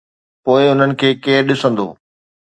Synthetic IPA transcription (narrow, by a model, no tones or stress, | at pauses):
poːɪʊn̤ənɪ̆kʰeːkeːɾɗɪsə̃nd̪o̰ː